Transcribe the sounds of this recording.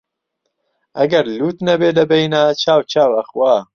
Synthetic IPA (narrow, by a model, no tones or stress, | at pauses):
ʔɐɡɐɾluːt̪nɐbeːlɐbejnaːt͡ʃʰaːwt͡ʃʰaːwɐxwaː